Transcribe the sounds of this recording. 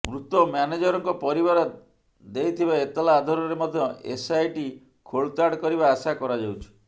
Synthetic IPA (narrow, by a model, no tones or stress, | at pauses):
mɾut̪ɔmaned͡ʒɔɾɔŋkɔpɔɾibaɾɔ | d̪ejt̪ʰibaet̪ɔlaːd̪ʱɔɾɔɾemɔd̪ʱjɔḛsajʈi | kʰoɭt̪aɽkɔɾibaːsakɔɾad͡ʒawt͡ʃʰi̥